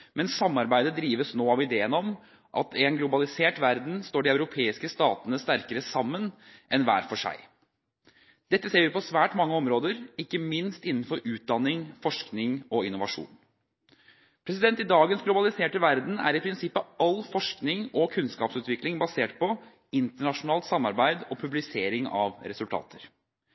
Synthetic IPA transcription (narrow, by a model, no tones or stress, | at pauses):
mʔɛnssɑmːɑɾbæɪd̪əd̪ɾiːʋəsnoːɑʋɪd̪eːənɔm | ʔɑ̰t̪ʰɛnɡlʊbɑlɪseːʈʋæɾd̪n̩st̪oːɖɪɑʉɾʊpʰeːɪskəst̪ɑːt̪ənəst̪æɾkəɾəsɑmːənʔɛnʋæ̰ːɾfɔʂæ̰ɪ | d̪̥ɛt̪ːəseːɾjʊpʰɔsʋæːʈmɑŋːəɔmɾoːd̪əɾɪkːəmɪnst̪ɪnːn̩fɔɾʔʉːt̪̚d̪ɑnːɪŋfɔʂknɪŋɔɪnːʊʋɑʂṵːn | pʰɾɛsɪd̪ɛnt̪ɪd̪ɑːɡənsɡlʊbɑlɪseːʈəʋæɾd̪n̩æ̰ɾɪpʰɾɪnsɪpːəɑlfɔʂknɪŋɔkʰʉnskɑːpsʉːt̪ʋɪklɪŋbɑseːʈ̚pʰɔ | ɪnt̪əɳɑʂʊnɑːlt̪sɑmːɑɾbæɪd̪ɔpʰʉblɪseːɾɪŋɑ̰ʋɾɛsʉlt̪ʰɑ̰ːt̪ʰəɾ